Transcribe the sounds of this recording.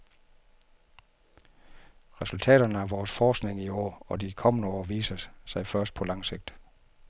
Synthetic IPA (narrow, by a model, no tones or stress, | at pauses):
ʁɛsult͡sʰɛ̰ːɾ̥ɐnəæʋɒːsfɒːsɡ̥ne̝ŋiɒ̰ːɒ̽d̥ikʰɒ̽mənəɒ̰ːʋḭːsɐsɑ̈ɪfɶɐsd̥̚pʰɒ̽lɑ̈ŋse̝ɡ̥̚d̥